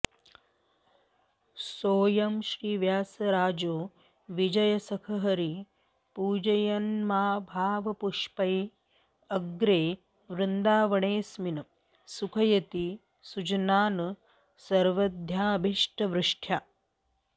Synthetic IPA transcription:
soːjɐmʃɾiːʋjaːsɐɾaːd͡ʒoː | ʋid͡ʒɐjɐsɐkʰɐɦɐɾi | puːd͡ʒɐjɐnmaːbʱaːʋɐpuʂpɐj | ɐɡɾeː | ʋɾɪnd̪aːʋɐɳeːsminɐ | sukʰɐjɐt̪i | sud͡ʒɐnaːnɐ | sɐɾʋɐd̪ʱjaːbʱiʂʈɐʋɾɪʂʈʰjaː

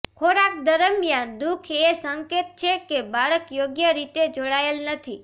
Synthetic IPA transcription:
kʰoɽak̚d̪əɾəmjãnd̪ukʰesəŋket̪̚t͡ʃʰekebaɾəkjoɡjəɾit̪ed͡ʒoɽaelnət̪ʰi

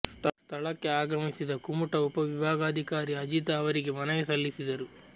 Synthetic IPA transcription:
st̪st̪ʰɐɭɐkːe̞aːɡɐmisid̪ɐkumuʈɐupɐʋibʱaːɡaːd̪ʱikaːɾiɐd͡ʒit̪ɐːʋɐɾiɡe̞mɐnɐjɐsɐlːisid̪ɐɾu

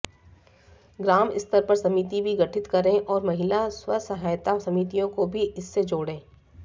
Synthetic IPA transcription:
ɡɾaːmɪ̰st̪əɾpɐɾsɐmiːt̪ibʱiɡɐʈʰɪt̪kɐɾẽʔɔːɾmɐɦɪlaswɐsɐɦaːjt̪asɐmiːt̪ijõkobʱiʔɪsːed͡ʒoːɽẽː

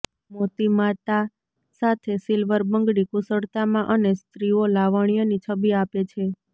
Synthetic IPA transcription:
mot̪imat̪a | sat̪ʰesilʋəɾbəŋɡɽikusəɽt̪amãʔənest̪ɾiolaʋaɳijanit͡ʃʰəbiapet͡ʃʰe

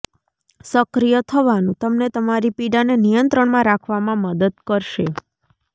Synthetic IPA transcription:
səkɾijət̪ʰəʋanũt̪əmnet̪əmaɾipiɖanenijənt̪ɾəɳmãɾakʰʋamãməd̪əd̪̚kəɾʃe

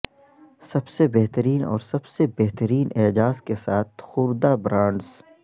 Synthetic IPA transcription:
sɐbsebeɦt̪əɾiːnɔ̰ːɾsɐbsebeɦt̪əɾiːnʔeːd͡ʒaːzkesaːt̪xʊːɾd̪abɾãːɳɖz

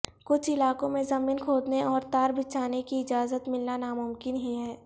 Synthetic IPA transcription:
kʊt͡ʃʰɪlaːkõmẽzɐmiːnkʰoːd̪neʔɔːɾt̪aːɾbʱɪt͡ʃaːnekiɪd͡ʒaːzət̪mɪlnanamʊmkɪnɦiɦɛː

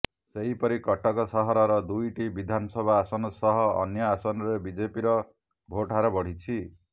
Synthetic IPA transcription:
seɦipʌɾikɔʈʰɔkɔsʌɦɔɾʌɾʌd̪ujʈibid̪ʱanʌsʌbʱaːsɔnɔsɔɦɔ̰ːnjʌasɔnɔɾebid͡ʒepiɾʌ | bʱoʈaɾɔbɔɽ̤it͡sʰi

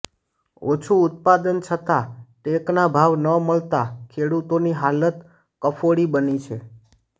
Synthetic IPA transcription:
ot͡ʃʰuʊt̪̚pad̪ənt͡ʃʰət̪aʈeknabʱaʋnəməɭt̪akʰeɽut̪oniɦalət̪ | kəfoɽibənit͡ʃʰe

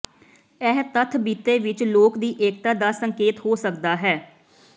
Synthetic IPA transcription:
ɛɦt̪ət̪ʰbiːt̪eːʋɪt͡ʃloːkd̪iːʔeːk̚t̪aːd̪aːsəŋkeːt̪hoːsəkd̪aːɦɛː

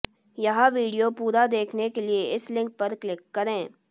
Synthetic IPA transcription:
jɐɦãʋiːɖijopuːɾad̪eːkʰnekelieɪslɪ̃ŋk̚pɐɾklɪkːɐɾẽː

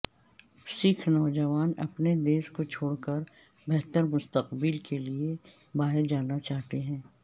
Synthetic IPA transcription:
sɪkʰnɔːd͡ʒəʋaːnɐ̰pned̪eːskot͡ʃʰoːɽkəɾ | bɛɦt̪əɾmʊst̪əqbilkelie | baːɦɪɾd͡ʒaːnat͡ʃaːɦt̪eɦɛ̃ː

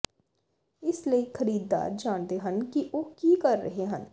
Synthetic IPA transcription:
ɪsləixɐɾiːd̪ːa̰ːɾd͡ʒaːnt̪eɦɐnkiʔoːkiːkɐɾːɐɦeɦɐ̃n

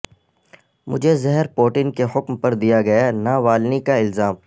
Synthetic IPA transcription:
mʊd͡ʒʱezɐɦɛɾpoːʈɪnkeɦʊkmpɐɾd̪ijaɡɐjanaʋaːlnikaɪlzaːm

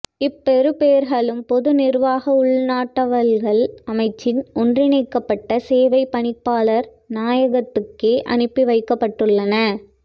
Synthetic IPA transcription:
ɪpːɛɾɯpeːɾɣɐɭɯmpɔðɯnɪrʋaːɣɐʊɭnaːʈːɐʋɐɾɣɐɭɐmɐɪt͡ʃːɪnɔndrɪnɐɪkːɐpːɐʈːɐseːʋɐɪpːɐɳɪpːaːɭɐɾ | naːjɐɣɐt̪ːɯkːeːʔɐ̰nɯpːiʋɐɪkːɐpːɐʈːɯɭːɐnɐ

